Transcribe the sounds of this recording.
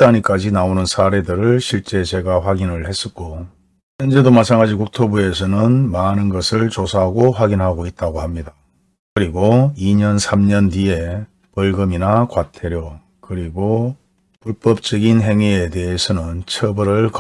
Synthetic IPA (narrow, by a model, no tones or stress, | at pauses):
t͈aɲik͈ad͡ʑinaonɯnsʰaɾe̞dɯɾɯɭɕʰiɭt͡ɕ͈e̞t͡ɕe̞ɡaɸwaɡinɯɭhe̞s͈ʌk͈o | çjʌnd͡ʑe̞domat͡ɕʰamɡad͡ʑikuk̚tʰobue̞s̬ʰʌnɯnmanɯnɡʌsʰɯɭt͡ɕosʰaɦaɡoɸwaɡinɦaɡoit̚t͈aɡohamɲida | kɯɾiɡoiɲʌnsʰamɲʌndie̞ | pʌɭɡɯminakwatʰe̞ɾjo | kɯɾiɡo | puɭp͈ʌp̚t͡ɕ͈ʌɡinɦe̞ŋiede̞esʰʌnɯnt͡ɕʰʌbɯɾɯɭk